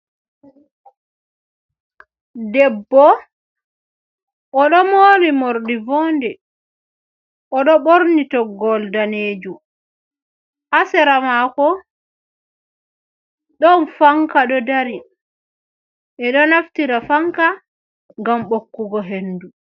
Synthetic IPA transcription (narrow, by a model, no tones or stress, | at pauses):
dɛbːɔ | ʔɔɗɔmoːɾimoɾɗivɔːndɛ | ʔɔɗɔɓoɾnitɔɡɔldaneːd͡ʒum | ʔasɛɾamakɔ | ɗɔnfaŋkaɗɔdaɾi | ʔɛɗɔnaftiɾafaŋka | ŋɡamɓokːuɡɔɦendu